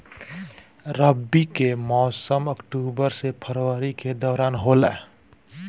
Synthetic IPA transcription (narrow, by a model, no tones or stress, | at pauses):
ɾəbːikemɔːsəməkʈubəɾsepʰəɾwəɾiked̪ɔːɾaːnɦolɛ̰